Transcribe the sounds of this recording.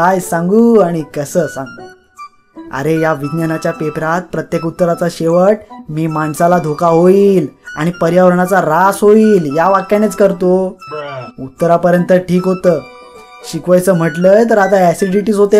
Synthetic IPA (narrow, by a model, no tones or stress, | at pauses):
kajsãŋɡuːaɽ̃ikəsəːsãŋɡ̪u | ə̰ɾejaʋid̪nənat͡ɕjapepɾat̪̚pɾət̪jekut̪ːəɾat͡saɕeʋəʈ̚miːmaɳsalad̪ʱokaɦoiːla̰ɽ̃ipəɾjaʋəɾɳat͡saɾasɦoiːljaʋakjanet͡skəɾt̪o | ut̪ːəɾapəɾjənt̪əʈʰiːkɦot̪əː | ɕikʋajt͡səːm̤əʈləːjt̪əɾat̪aæsiɖiʈiːsɦot̪e